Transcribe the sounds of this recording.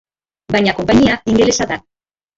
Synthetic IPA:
bajɲako̞mpaɲiaiŋɡele̞saða

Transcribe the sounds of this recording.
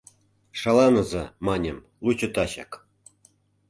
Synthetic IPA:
ʂɑlɑnɤ̆zɤmɑnʲɤ̆m | lˠut͡ɕŭt̪ɑɕɑ̰k

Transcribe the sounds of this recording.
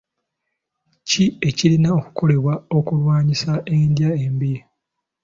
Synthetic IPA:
cie̞cilinao̞ku̥ko̞le̞βwao̞kulwaːɲisaʔendjaembije

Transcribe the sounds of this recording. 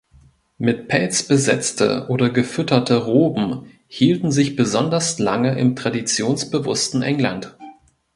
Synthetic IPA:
mɪt̚pʰɛlt͡sb̥əzɛt͡stʰə̰ʔoːdɐɡəfʏtɐtʰəʁoːbm̩ | hiːltn̩zɪçb̥əzɔndɐslaŋəʔɪmtʁ̥adit͡sjoːnsb̥əvʊstn̩ʔɛŋlant

